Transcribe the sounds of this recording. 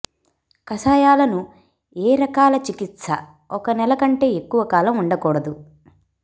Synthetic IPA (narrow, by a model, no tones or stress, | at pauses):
kɐsaːjaːlɐnu | eːɾɐkaːlɐt͡ʃikit̪sɐ̰ | ɔkɐnɛlɐkɐɳʈe̞ːekːuʋɐkaːlɐmuɳɖɐkɔːɽɐd̪u